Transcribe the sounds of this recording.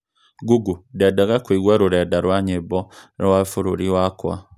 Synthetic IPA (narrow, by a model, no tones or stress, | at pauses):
ɡuɡudɛdaɣakwiɣwaɾuɾɛdaɾwaɲebɔɾwafuɾuɾiwakwa̰